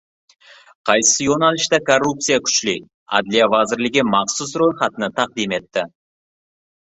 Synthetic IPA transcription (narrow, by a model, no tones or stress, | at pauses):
qʰɑjsəsəjonɑlˠəʃt̪ɑkʰo̞rːup̚t̪sijakʲʰʏ̥ʃɪlej | ɑ̰d̪lijavɑzɪɾlɪɡʲemɑqsʊsro̞jχɑt̪ənət̪ʰɑq̚d̪ijme̞t̪ːɪ